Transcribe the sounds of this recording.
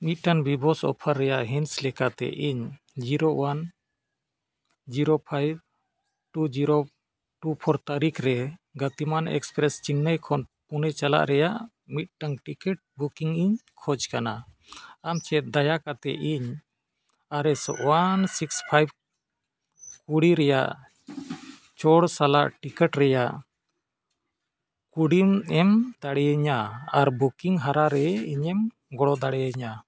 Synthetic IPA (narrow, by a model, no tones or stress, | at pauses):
mit̪̚ʈanbibɔsɔ̰pʰaɾːɛjaʔɦinslɛkat̪ɛ̰ʔiɲ | d͡ʒiɾowan | d͡ʒiɾopʰajb̚ | ʈud͡ʒiɾo | ʈupʰɔɾt̪aɾikʰɾɛɡət̪imanɛ̰kspɾɛst͡ʃinːəjkʰɔnpunɛt͡ʃala̰ʔɾɛjaʔ | mit̪̚ʈaŋʈikɛʈ̚bukiŋiɲkʰɔd͡ʒkanaː | mt͡ʃɛt̪̚d̪ajakat̪ɛ̰ʔiɲ | aɾɛsɔ̰ʔwansikspʰajb̚ | kuɽiɾɛjaʔ | t͡ʃɔɽsala̰ʔʈikɛʈɾɛjaʔ | kuɽimɛmd̪̥aɽɛjəɲaaɾbukiŋɦaɾaɾɛiɲɛm | ɡɔɽɔd̪aɽɛjəɲa